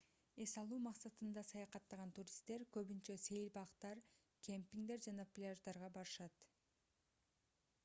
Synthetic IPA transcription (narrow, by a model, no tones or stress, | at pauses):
e̞sɑlˠuːmɑqsɑt̪ɯnd̪ɑsɑjɑqɑt̪ːɑʁɑnt̪uɾʲist̪e̞ɾkø̞βynt͡ʃøse̞jlʲbɑqt̪ɑɾ | kʰʲempʲiŋd̪e̞ɾd͡ʒɑnɑpʲlʲɪaʒd̪ɑɾʁɑbɑɾɯʃɑt̪